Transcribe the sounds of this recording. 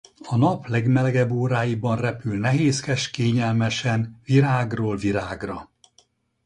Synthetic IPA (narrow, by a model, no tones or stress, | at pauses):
ɒnɒplɛɡmɛlɛɡɛbːoːɾaːjibɒnrɛpylnɛɦeːskɛʃkeːɲɛlmɛʃɛnviɾaːɡroːlviɾaːɡrɒ